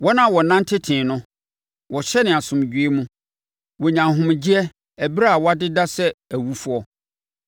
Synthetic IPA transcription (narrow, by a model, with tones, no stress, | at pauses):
wɔ˦nã˦˨wɔ˨nã˦ntʰɪ˦tʰɪ̃ː˨nʊ̃˦ | wɔ˨ɕɛ˦nɪ̃˨a˨sʊ̃˨m˨d͡ʑᶣɥe˦mũ˦ | wɔ˨ɲã˨ɦʊ̃˨m˨d͡ʑi˦ɛ˦ | æ˨bi˦ɾa˦a˨wɔ˦a˦dɪ˦da˦sɛ˦æ˨wu˦fu˦ɔ˦